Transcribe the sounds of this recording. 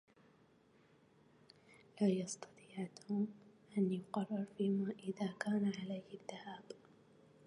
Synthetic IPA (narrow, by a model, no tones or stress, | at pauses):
laːjɑst̪ɑ̥t̪ˤiːʕt̪ʰʊmʔanjʊqɑrˤːɪɾˤfiːmaːʔɪðaːkaːnaʕalajaðːahaːb